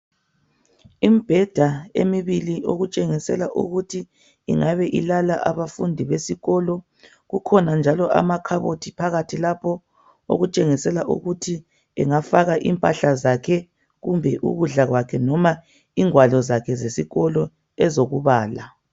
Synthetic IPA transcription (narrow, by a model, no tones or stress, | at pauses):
imib̥ʱɛd̥ʱaḛmiβiliʔoɣut͡ʃʼeŋisɛ̰laʔṵɣutʰḭː | ŋaβɛʔilalaʔaβafundʱiβesiɣɔlɔ | ɣukʰɔnand͡ʒʱalɔʔa̰makʰaβotʰipʰaɣatʰilapʰɔ | o̰ɣut͡ʃʼeŋisɛlaʔṵɣutʰi | ɛŋafaɣaʔḭmpʼaɬazakʰɛ | ɣumbʱɛʔṵɣuɮaɣwakʰɛnɔma | iŋwalɔzakʰɛzesiɣɔlɔ | ɛzoɣuβaːla